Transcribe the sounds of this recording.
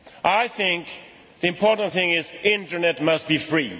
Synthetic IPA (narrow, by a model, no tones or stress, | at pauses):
ʔajθɪ̃ŋk | ðiɪ̃mpʰɔtə̃ntθɪ̃ŋɪzɪ̃ntənɛtmast̚bifɹiː